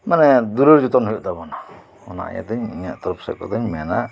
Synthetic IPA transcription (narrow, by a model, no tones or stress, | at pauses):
manɛd̪uɾuɾd͡ʒut̪ɔnhɔjuʔt̪abɔna | ɔna̰ʔja̰t̪aɲiɲa̰ʔt̪ɔɾɔpsɛ̰p̚kɔ̰t̪aɲmɛna